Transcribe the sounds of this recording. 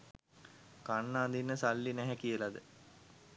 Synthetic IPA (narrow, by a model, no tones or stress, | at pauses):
kanːaːd̪inːəsalːinæɦɛkijəlad̪ə